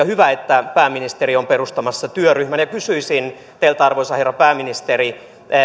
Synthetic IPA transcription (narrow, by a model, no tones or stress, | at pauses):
ɑhyʋæet̪ːæpæːminist̪eɾiomperust̪ɑmɑsːɑt̪yøryhmænjɑkysyisin | t̪eilt̪æɑrʋoisɑherːɑpæːminist̪eri